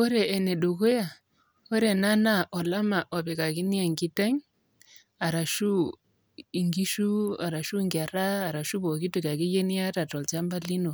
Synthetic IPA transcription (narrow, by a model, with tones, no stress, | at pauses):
ɔ˦ɾɛː˨nɛ˨ɗu˨ko˦ja˨ | ɔ˦ɾɛ˨na˦na˦ʔɔ˨la˦ma˨ʔɔ˨bɛ˨ka˨ki˦ni˦a˨ŋɡi˦tɛ˦ɲ | a˨ɾa˨ʃu˦ | i˨ŋɡi˦ʃu˦a˨ɾa˨ʃu˦ŋɡa˨ɾaː˦˨ɾa˨ʃu˦bɔ˨ki˦tu˦˨ka˨ki˦je˦ni˦a˦ta˨tɔ˨lt͡ʃa˦mba˦li˦no˨